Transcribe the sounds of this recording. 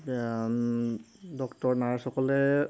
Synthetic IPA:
dɔktɔɹnaɹxɔkɔlɛ

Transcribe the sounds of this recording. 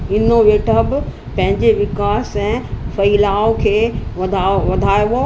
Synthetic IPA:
ɪnoʋeːʈʰəbɪ | pɐ̃ɦɪ̃ɲd͡ʑeʋɪkaːsɛ̃fɐilaːokʰeːʋɐd̪ʱaʋɐd̪ʱaːjʋo

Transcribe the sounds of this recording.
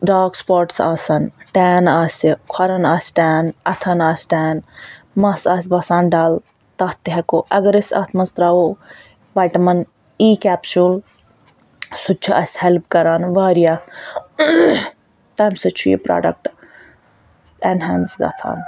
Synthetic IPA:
ɖaːɡspoːɾʈsa̰ːsɐnʈɛːnaːsʲikʰɐɾɐnaːsʲʈɛːnɐt̪ʰɐnaːsʲʈɛːn | mɐsɐːsʲbɐsãːnɖaːl | t̪ɐt̪ɦɛkoʔɐɡɐɾɐsʲɐ̰t̪ʰmɐnst̪ɾaːo | baːjʈɐmɐn | iːkɛːpsul | sʊt͡ʃʰɐʔɐsʲhelpkɐɾaːnʋaːɾijaː | t̪ɐːmsɐt͡ʃʰujḭpɾa̰ːɖɐ̰k̚ʈ | enɦɛːnsɡɐ̰t̪ʰa̰ːn

